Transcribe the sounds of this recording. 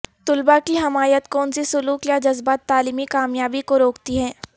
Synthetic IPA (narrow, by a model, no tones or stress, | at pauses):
t̪ʊlbakiɦɐmaːjət̪koːʊnsisʊluːkjad͡ʒɐzbaːt̪ːaːliːmikaːmjaːbikoɾoːkt̪iɦɛ̃ː